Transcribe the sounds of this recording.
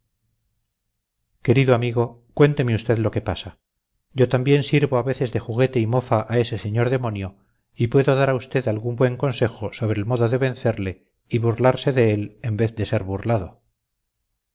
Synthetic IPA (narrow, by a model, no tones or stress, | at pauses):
ke̞ɾiðoamiɣo̞ | kwe̞nt̪e̞meust̪e̞ðlo̞ke̞pasa | ɟ͡ʝo̞t̪ambje̞nsiɾβoaβe̞θe̞zðe̞xuɣe̞t̪e̞imo̞faʔae̞se̞se̞ɲo̞ɾðe̞mo̞njo | ipwe̞ðoðaɾaust̪e̞ðalɣumbwe̞ŋko̞nse̞xoso̞βɾeːlmo̞ðoðe̞βe̞nθe̞ɾle̞ | iβuɾlaɾse̞ðe̞elembe̞θd̪e̞se̞ɾβurlaðo̞